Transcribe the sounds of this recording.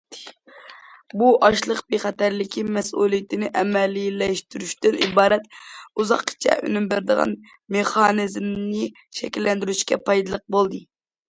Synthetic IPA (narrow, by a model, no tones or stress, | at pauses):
buʔɑʃlˠəqbeχɛt̪æɾlɪkʲʰimɛsṵlˠijit̪ʰɪnɪʔɛmɛlːilɛʃt̪yɾyʃt̪ɪnḭbɑːɾɛt̪uzɑqʰːt͡ʃʰɛ̰ʔy̰nymbæɾd̪əʁɑ̰n | meχɑnɨzmnɨ | ʃɛkʲilːɛnd̪yɾyʃkʲɛ̰pʰɑjd̪ɨlˠəq̚bolˠd̪ɨ